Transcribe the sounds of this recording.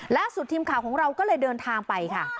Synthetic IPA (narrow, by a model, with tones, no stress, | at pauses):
laː˥˩su˨˩t̪ʰːiː˧mkʰaː˨˩˦wkʰɔː˩˦ɾa˧wkɔː˥˩lɤː˧jdɤː˧nt̪ʰaː˧ŋpa˧jkʰa˥˩